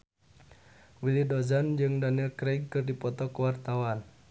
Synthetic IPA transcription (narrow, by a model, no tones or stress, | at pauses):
wilidɔzand͡ʒɨŋdaniɛlkɾeɡ̚kɨrdipɔt̪ɔkəwart̪awan